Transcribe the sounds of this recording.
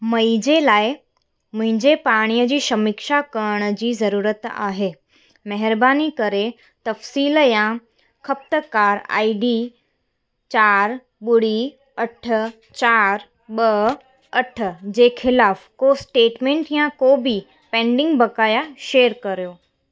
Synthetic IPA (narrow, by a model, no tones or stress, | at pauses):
mɐid͡ʑelaːɪ | mʊ̃ɦɪ̃ɲd͡ʑepaːɽ̃ijəd͡ʑiːʃɐmɪkʃakɐɾəɽ̃ə̆d͡ʑiːzɐɾuːɾət̪a̰ːɦeː | mɐɦɪɾbaːnikɐɾe | t̪ɐfsiːljã | kʰɐp̚t̪əkaːɾ̰a̰ːiɖi | t͡ɕaːɾ | ɓʊɽ̤i | ɐʈʰə̆ | t͡ɕaːɾ | ɓɐ | ɐʈʰə̆d͡ʑeːxʰɪlaːfkosʈeːʈmẽːɳʈjãkoːbi | pɛ̃ːɳɖɪ̃ŋɡbɐkaːjaʃeːəɾkɐɾijoː